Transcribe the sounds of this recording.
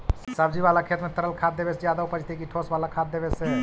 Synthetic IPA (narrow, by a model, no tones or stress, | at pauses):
səb̚d͡ʒiʋalakʰet̪mẽt̪əɾəlkʰaːt̪̚ːebesed͡ʒjaːd̪aupəd͡ʒt̪ekiʈʰosbaːlakʰaːt̪̚d̪ebese